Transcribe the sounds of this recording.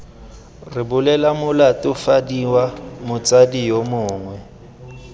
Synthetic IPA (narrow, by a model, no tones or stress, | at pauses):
rɪbʊlɛlamʊlatʼʊfadiwamʊt͡sadijomʊːŋwɛ